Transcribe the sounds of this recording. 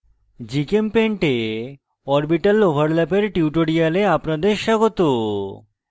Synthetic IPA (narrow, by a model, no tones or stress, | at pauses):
d͡ʑikempeɳʈe | ɔɾbiʈalobʱaɾlɛpeɾʈiuʈoɾialeapnad̪eɾʃaɡot̪o